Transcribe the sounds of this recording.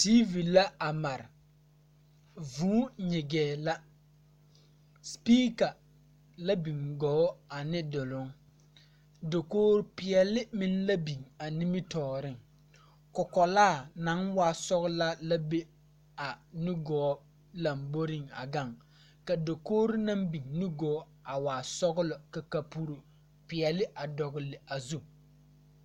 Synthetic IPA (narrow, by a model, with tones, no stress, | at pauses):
ti˦vi˨la˦a˨ma˨ɾɪ˨ | vuː˨˦ɲɪ˨ɡɛː˨la˦ | spiː˦ka˨ | la˦bi˨ŋɡɔː˨˦a˨nɪ˦dʊ˨lʊ˦ŋ | do˨koː˦ɾpɪ˦ɛ˦lɪ˦mɪ˦n˦la˦bi˨ŋa˨ni˦mɪ˦tɔː˨ɾɪ˦˨ŋ | kʊ˨kɔ˨laː˦˨na˨˦ŋwaː˦˨sɔ˦ɣʊ˦la˦la˦be˦ | a˨nu˦ɡɔː˨˦ | la˨mbo˦ɾɪ˦ŋa̰˨ɡa˦˨ŋ | ka˨do˨koː˦ɾi˦na˦mbi˨ŋnu˦ɡɔː˨˦ | a˨waː˨sɔ˦ɡʊ˦lʊ˨ka˨ka˨pu˦ɾu˨ | pɪ˨ɛ˨lɪ˦ʔa˨dɔ˨ɣʊ˨lɪ˨a˨zu˦